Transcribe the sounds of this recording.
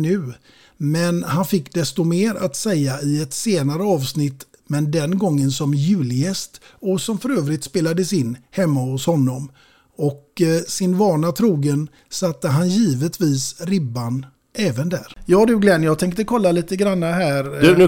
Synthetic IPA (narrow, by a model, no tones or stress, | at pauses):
nʉ̟ː | mɛnhanfɪkːd̪ɛst̪ɔmeːɾa̰t̪sɛjːaɪɛt̪seːnaɾəɑːvsnɪt̪ː | mɛnd̪ɛnɡɔŋːənsɔmjʉ̟ːlɪjɛst̪ɔsɔmfœɾøːvɾɪt̪speːlad̪əsɪnːhɛmːahʊshɔnːɔm | ɔksɪnvɑːɳat̪ʰɾuːɡən | sat̪ːəɦanjiːvət̪viːsɾɪbːan | ʔɛːvənd̪æ̰ːɾjɑːd̪ʉ̟ɡlɛnjɑːɡt̪ʰɛŋkt̪əkʰɔlːaliːt̪əɡɾanːaɦæːɾ